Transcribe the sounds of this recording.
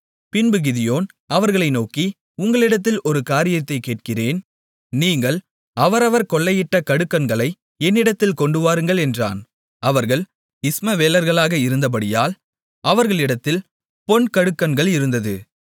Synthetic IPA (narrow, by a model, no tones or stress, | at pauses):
pɪnbɯɣɪðɪjoːn | ɐʋɐɾɣɐɭɐɪnoːki | ʊŋɡɐɭɪɽɐt̪ːɪlʔɔɾɯkaːɾɪjɐt̪ːɐɪkːeːʈ̚kɪreːn | niːŋɡɐɭ | ɐʋɐɾɐʋɐɾkɔɭːɐjɪʈːɐkɐɽɯkːɐnɡɐɭɐɪ | ɛnːɪɽɐt̪ːɪlkɔɳɖɯʋaːɾɯŋɡɐɭɛndra̰ːn | ɐʋɐɾɣɐɭ | ɪsmɐʋeːlɐɾɣɐɭaːɣɐɪɾɯnd̪ɐp̬ɐɽɪja̰ːl | ʔɐʋɐɾɣɐɭɪɽɐt̪ːɪl | pɔɳkɐɽɯkːɐnɡɐɭɪɾɯnd̪ɐðɯ